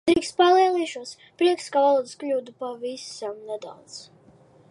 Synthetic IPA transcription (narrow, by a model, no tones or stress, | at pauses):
d̪ɾiːkst̪̚palˠiɛlˠiːʃuɔs | pɾiɛkskavalˠuːd̪sklʲuːd̪upavisamnɛd̪a̰wd̪z̥